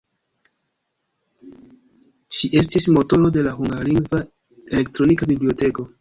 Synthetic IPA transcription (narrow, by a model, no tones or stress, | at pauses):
ʃiʔe̞s̬tismo̞to̞ɾo̞de̞laɦuŋɡaɾliŋɡva | e̞le̞ktɾo̞nikabiblio̞te̞ko̞